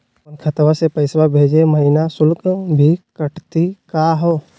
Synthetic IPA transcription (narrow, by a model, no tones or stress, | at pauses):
pənkʰət̪ʋasepəɪswabʱeːd͡ʒeməɦɪnasʊlkbʱikəʈʰt̪ikaɦoː